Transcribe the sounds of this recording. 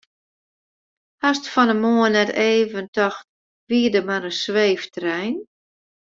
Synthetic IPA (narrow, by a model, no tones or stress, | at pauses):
hastfɔnəmoənɛteːvəntɔxt | ʋiədəmaɾəsʋeːftrɛjn